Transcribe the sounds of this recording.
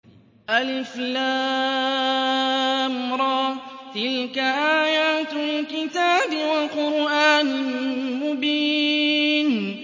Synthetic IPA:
ʔalɪflaː | mɾˤɑːt̪ɪlkaʔaːjaːt̪ɪlkɪt̪aːbɪwaqʊɾʔaːnɪmʊbiː | n

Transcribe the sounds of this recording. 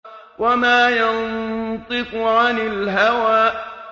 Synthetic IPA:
wʔamaːjant̪ˤɨkʊʕanɪlɦawaːʔ

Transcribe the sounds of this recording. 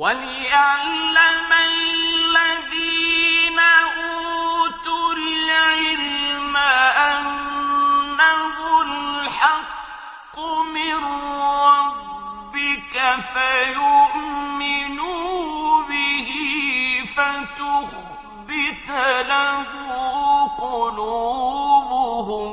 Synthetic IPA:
walɪʔaʕlːamalːaðiːnaʔuːt̪ʊlɪʕɪlmaʔanː | ahʊlħɑqː | ʊmɪɾɾˤɑbbbɪkafajʊʔmːɪnu | bɪɦɪfat̪ʊx | bɪt̪laɦʊʊqʊluːbʊhʊ

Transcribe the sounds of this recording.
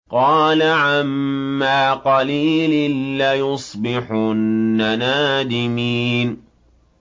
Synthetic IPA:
qɑːlaʕamːaːqɑliːlɪnlajʊsˤbɪħʊːanaːd̪ɪmiːn

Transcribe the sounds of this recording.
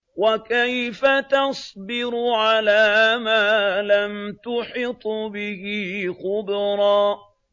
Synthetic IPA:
wakajfat̪ɑsˤbɪɾʊʕalaːmaːlant̪ʊħɪt̪ˤbɪhɪxʊbɾˤɑː

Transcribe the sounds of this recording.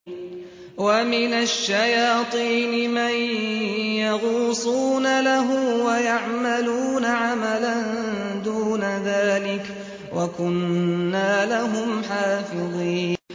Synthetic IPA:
wamɪnaʃːajɑːt̪ˤiːnɪman | jɑɣuːsˤuːnalaɦʊmwajaʕmaluːnaʕamaland̪uːnaðaːlɪk | wʔakʊnːaːlaɦʊmħaːfɪðˤiːn

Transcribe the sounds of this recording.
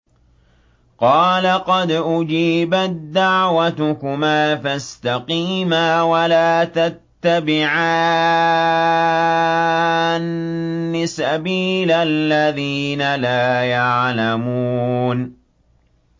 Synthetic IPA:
qɑːlaqɑd̪ʔʊd͡ʒiːbat̪̚d̪aʕwat̪ʊkʊmaːfast̪ɑqiːmaːwalaːt̪at̪ːabɪʕa | nːɪsabiːlalːaðiːnalaːjaʕlamuːn

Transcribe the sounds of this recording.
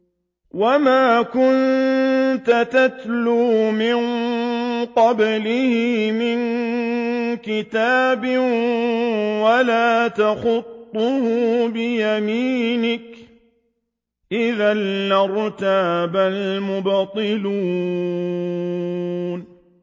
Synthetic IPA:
wamaːkʊn | t̪at̪at̪luːmɪn | qɑblɪhɪmɪn | kɪt̪aːbɪ | walaːt̪axʊt̪ˤːʊhʊbɪjamiːnɪk | ʔɪðanːɪɾˤt̪aːbalmʊbt̪ˤːɨluː | n

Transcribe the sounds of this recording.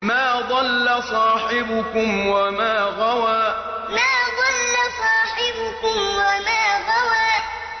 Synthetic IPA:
maːðˤɑlːasˤɑːħɪbʊkʊmwamaːɣawaː | maːðˤɑlːasˤɑːħɪbʊkʊmwamaːɣawaː

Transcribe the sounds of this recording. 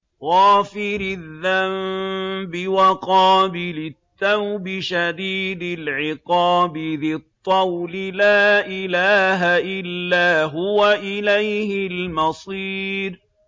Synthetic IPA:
ɣɑːfɪɾɪðːambɪwaqɑːbɪlɪt̪ːawbɪʃad̪iːd̪ɪlʕɪqɑːbɪðɪt̪ˤːɑwlɪlaːʔɪlaːɦaʔɪlːaːɦʊwaʔɪlajhɪlmɑsˤiːɾ

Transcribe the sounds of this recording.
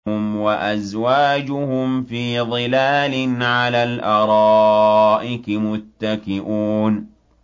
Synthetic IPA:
ʊmwaʔazwaːd͡ʒʊhʊmfiːðˤɨlaːlɪnʕalaːlʔɑɾˤɑːʔɪkmʊt̪ːakɪʔuːn

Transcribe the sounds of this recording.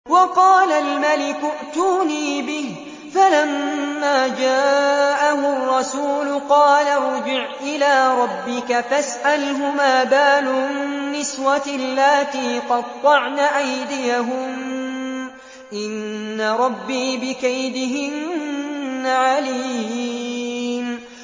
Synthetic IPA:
wɑqɑːlalmalɪkʊʔt̪uːniːbɪh | falamːaːd͡ʒaːʔaɦʊrˤːɑsuːlʊqɑːlaɾˤʊd͡ʒɪʕʔɪlaːɾˤɑbːɪkafasʔalɦʊmaːbaːlʊmɪɪnːɪswalːaːt̪iːqɑd̪̚t̪ˤːɑʕnaʔajd̪ɪjaɦʊm | ʔɪnːaɾˤɑbːiːbɪkajd̪ɪɦɪnː | aʕaliː | n

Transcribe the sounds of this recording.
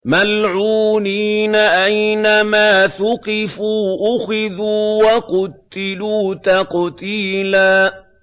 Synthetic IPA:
malʕuːniːnaʔajnamaːθʊqɪfuːʔʊxɪðuːwaqʊt̪ːɪluːt̪aqt̪iːlaː

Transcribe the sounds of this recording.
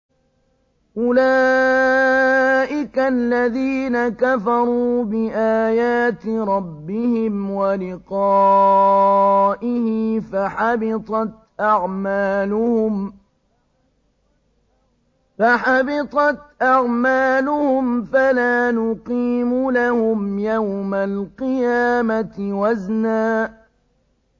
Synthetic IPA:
ʔʊlaː | ʔɪkalːaðiːnakafɑɾˤuːbɪʔaːjaːt̪ɾˤɑbːɪhɪmwalɪqɑː | ʔɪhɪfaħɑbɪt̪ˤɑt̪̚ | ʔɑʕmaːlʊhʊm | faħɑbɪt̪ˤɑt̪ʔɑʕmaːlʊhʊmfalaːnʊqiːmʊlahʊmjawmalqɨjaːmat̪waznaːʔ

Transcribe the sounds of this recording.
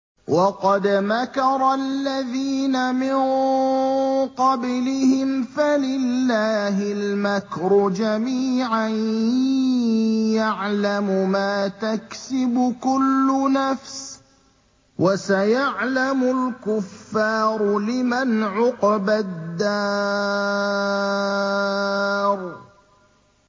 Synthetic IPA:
wʔɑqɑd̪makɑɾˤɑlːaðiːnamɪn | qɑblɪhɪmfalɪlːaːɦɪlmakɾʊd͡ʒamiːʕan | jaʕlamʊmaːt̪aksɪbʊkʊlːʊnafs | wʔasajaʕlamʊlkʊfːɑːɾʊlɪmanʕʊqɑbad̪ːɑː | ɾˤ

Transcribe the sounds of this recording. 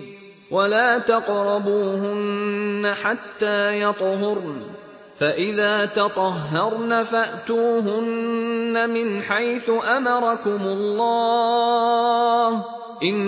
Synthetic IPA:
wʔalaːt̪ɑqɾˤɑbuːhʊnːaħat̪ːaːjɑt̪ˤɦʊɾ | faʔɪðaːt̪ɑt̪ˤɑɦːɑɾˤnafaʔt̪uːɦʊnːamɪnħajθʊʔamɑɾˤɑkʊmʊlˤːɑː | h | ʔɪnː

